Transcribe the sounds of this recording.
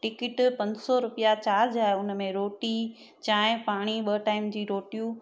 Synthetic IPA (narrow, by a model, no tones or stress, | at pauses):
ʈɪkɪʈpɐ̃ɲd͡ʑsɔɾʊpijat͡ɕaːɾd͡ʑaːeʊnmẽɾoːʈi | t͡ɕaːɦpaːɽ̃iɓɐʈaːɪmd͡ʑiːɾoːʈijũ